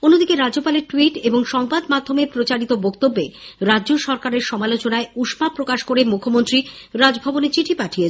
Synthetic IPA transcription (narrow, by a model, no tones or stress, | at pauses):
onːod̪ikeɾadd͡ʑopaleɾʈwiʈeboŋʃɔŋbad̪mad̪ʱːomeɾpɾot͡ɕaɾit̪obokt̪obːeɾadːd͡ʑoʃɔɾkaɾeɾʃɔmalot͡ɕonaeuʃmapɾokaʃkoɾemukʰːomont̪ɾiɾad͡ʑbʱabonet͡ɕiʈʰipaʈʰie